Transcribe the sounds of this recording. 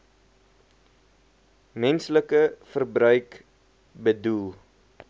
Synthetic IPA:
mɛnsləkəfərbrœɥk | bədulˠ

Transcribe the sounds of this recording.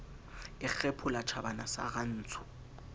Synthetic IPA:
ɪk͡xʰɛpʰʊlat͡ʃʰabanasa̰ɣan̩ːt͡sʰʊ̥

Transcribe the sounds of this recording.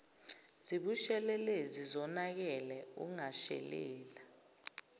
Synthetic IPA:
z̥iɓuʃɛlɛlezizɔnak̬ɛlɛṵŋaʃɛ̰lɛ̰ːla

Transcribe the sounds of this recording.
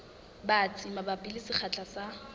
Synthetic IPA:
bat͡sʼimabapʼilɪsɪχʰat͡ɬʼasa

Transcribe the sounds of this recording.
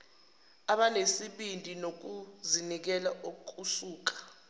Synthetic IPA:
aɓanesiɓintʼinok̬uzinik̬ɛlaʔokukʼusuːk̬ḁ

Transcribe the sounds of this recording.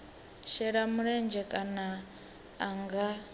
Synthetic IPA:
ʃɛɺamuɺɛnd͡ʒɛkʼanaː | ŋɡa

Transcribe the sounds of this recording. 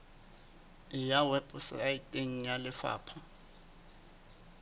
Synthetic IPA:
ɪjawɛpʼʊsɪ̰ajitʼeŋ̩jalɪfa̰ːpʰa

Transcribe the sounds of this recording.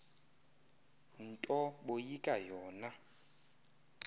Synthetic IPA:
n̩tʼɔɓojikʼajɔːna

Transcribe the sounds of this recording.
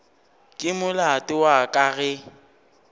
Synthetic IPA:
kʼɪmʊlatʼɪwakʼaɣɛ

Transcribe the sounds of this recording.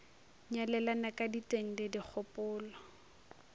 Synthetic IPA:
ɲalɛlanakʼaditʼeŋ̩dɪdik͡xʰɔpʼʊːlɔ

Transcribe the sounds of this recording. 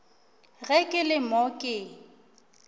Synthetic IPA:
ɣɛkʼɪlɪmɔkʼɪ

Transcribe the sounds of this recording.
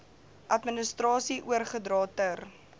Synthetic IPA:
ʔɐtmənəstrɑːsiʔuərχədrɑːtər

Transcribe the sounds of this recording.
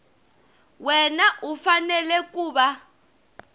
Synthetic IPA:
wɛnaʔufanɛlɛkuːɓa

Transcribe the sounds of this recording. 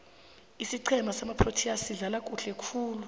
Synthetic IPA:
isiǀʰɛmʱasamapʰrotʰiasiɮalakʼuɬɛkʰuːlu

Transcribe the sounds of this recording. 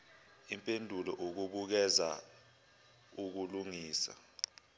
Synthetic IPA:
impʼendʱulɔʔok̬uɓ̬uk̬ɛza̰ | uk̬uluŋiːsa̰

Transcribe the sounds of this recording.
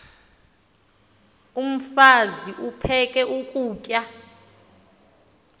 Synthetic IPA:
um̩faziʔupʰɛkʼɛʔukʼuːcʼja

